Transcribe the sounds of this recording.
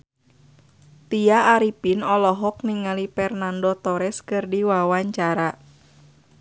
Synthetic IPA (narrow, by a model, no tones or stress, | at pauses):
t̪ijaːɾipinɔlɔɦɔk̚niŋalipɛrnandɔt̪ɔɾɛskɨrdiwawaɲt͡ʃaɾa